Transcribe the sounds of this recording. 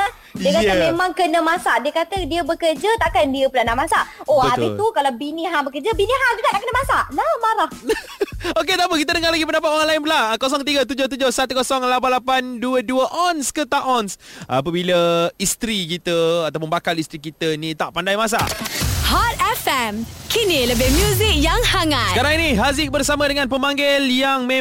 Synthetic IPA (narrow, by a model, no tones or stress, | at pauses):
diəkaəmemãŋkənəmasaʔdiəkat̪ədiəbəkərd͡ʒət̪aʔkandiəpəlanamasaʔobəat̪ɪlukalawbiniɦabəkərd͡ʒəbinĩɦad͡ʒuɡaʔt̪aʔkənəmasaʔnamaɾah | oket̪apəkit̪ədəŋalaɡipəndapat̪ɔanlaɪnbəlakɔs̬ɔŋkət̪iɡət̪̬ud͡ʒoht̪̬ud͡ʒohsat̪ukɔsɔŋlap̬anlapanduəduəʔɔnskət̪aʔɔnsa̰pəbiləist̪ɾik̬it̪əat̪awp̬ʊnbakalist̪ɾik̬it̪ənit̪aʔpandajmas̬ahat̪̚ɛfɛmkʰiniləbɪhmjuzik̚jaŋsaŋasət̪kaɾaŋiniɦazɪk̚bərsamadəŋãnpəmaŋɡɪljaŋme